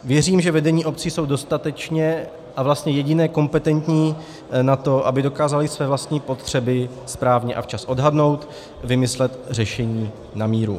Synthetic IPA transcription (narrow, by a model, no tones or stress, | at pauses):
vjɛriːmʒɛvɛdɛɲiːʔo̞p̚t͡siːso̞wdo̞st̪at̪ɛt͡ʃɲɛ | ʔavlast̪ɲɛjɛɟɪnɛːko̞mpɛt̪ɛnt̪ɲiː | nat̪o̞ʔabɪdo̞kaːzalɪsvɛːvlast̪ɲiːpo̞t̪r̝̥ɛbɪ | spɾaːvɲɛʔa̰ft͡ʃasʔo̞dɦadno̞wt̪ | vɪmɪslɛt̪rɛʃɛɲiː | namiːɾṵ